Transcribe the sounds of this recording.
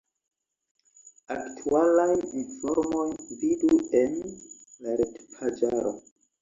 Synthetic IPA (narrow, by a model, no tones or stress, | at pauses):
aktʰualajinfo̞ɾmo̞jviduenlaɾetpʰad͡ʒaɾo̞̰